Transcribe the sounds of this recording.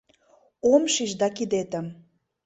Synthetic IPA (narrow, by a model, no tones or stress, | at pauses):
omʃiʒd̪ɑkid̪et̪ə̆m